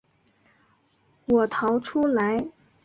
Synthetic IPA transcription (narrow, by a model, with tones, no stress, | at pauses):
wɔ˨˩t̪ʰɑ˧˥ʊʈ͡ʂʰu˥la˧˥ɪ